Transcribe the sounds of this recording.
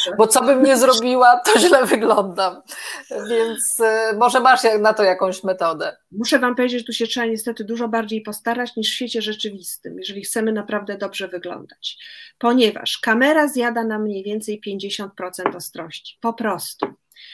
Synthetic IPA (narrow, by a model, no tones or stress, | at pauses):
bɔt̪sɔbɘmɲɛzɾɔbʲiwat̪ɔʑlɛvɘɡlɔnd̪amvʲjɛnt̪smɔʐɛmaʂjanat̪ɔjakɔ̃w̃ɕmɛt̪ɔd̪ɛ | muʂɛvampɔvʲed͡ʑet͡ɕt̪uɕɛtʂɛbaɲɛst̪ɛt̪ɘd̪uʐɔbaɾd͡ʑejpɔst̪aɾat͡ɕɲiʂfʲfʲet͡ɕɛʐɛt͡ʂɘvʲist̪ɘmjɛʐɛlʲixt̪sɛmɘnapɾavd̪ɛd̪ɔbʐɛvɘɡlɔ̰nd̪at͡ɕpɔɲɛva̰ʂkamɛɾazjad̪anamɲejvʲjɛnt̪sɛjpʲjeɲd͡ʑeɕɔnt̪̚pɾɔt̪sɛnt̪ɔst̪ɾɔɕt͡ɕi̥pɔpɾɔst̪u